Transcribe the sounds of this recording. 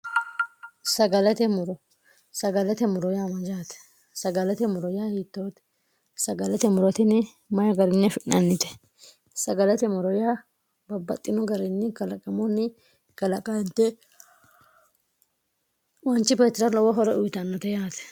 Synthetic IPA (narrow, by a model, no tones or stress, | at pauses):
sɐɡɐlɛt̪ɛmʊɾɔ | sɐɡɐlɛt̪ɛmʊɾɔjamɐd͡ʒaːt̪ɛ̥ | sɐɡɐlɛt̪ɛmʊɾɔjaːhiːt̪ːoːt̪ | sɐɡɐlɛt̪ɛmʊɾɔt̪ɪnɛ | mɐjɐɡɐɾɪnːɛfɪʔɐnːɪt̪ɛ̥ | sɐɡɐlɛt̪ɛmʊɾɔja | bɐbːɐ̰t̪ʼːɪnɔɡɐɾɪnːɪkɐlɐkʼɐmɔnːɪ | kɐlɐkʼɐɛnt̪ːɛ | wɔnt͡ʃːɪpeːt̪ːɛɾɐlɔwɔɦɔɾɛʊjt̪ɐnːɔt̪ɛjaːt̪ɛ̥